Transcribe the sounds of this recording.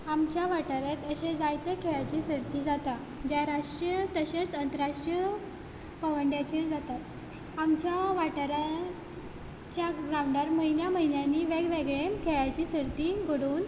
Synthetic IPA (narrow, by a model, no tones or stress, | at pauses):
amt͡ɕjaʋaʈəɾat̪əɕed͡zajt̪əkʰeɭat͡ɕiːsəɾt̪iːd͡zat̪a | d͡ʑjaɾaʂʈɾjət̪əɕet͡sənt̪əɾaʂʈɾijə | pəʋəɳɖjat͡ɕiːɾd͡zat̪at̪ | amt͡ɕjaʋaʈəɾa | t͡ɕjaɡɾawɳɖəɾməɦinjaməɦinjanːiːʋeɡʋeɡɭekʰeɭat͡ɕiːsəɾt̪iːɡəɽuːn